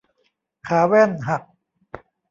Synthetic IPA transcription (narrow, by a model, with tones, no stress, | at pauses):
kʰaː˩˦wɛ˥˩nɦa˨˩k̚